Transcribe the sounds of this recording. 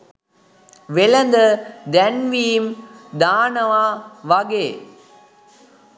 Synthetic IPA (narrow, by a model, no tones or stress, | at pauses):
ʋɛɭɐnd̪ɐd̪ɐnʋiːmd̪aːnɐʋaːʋɐɡeː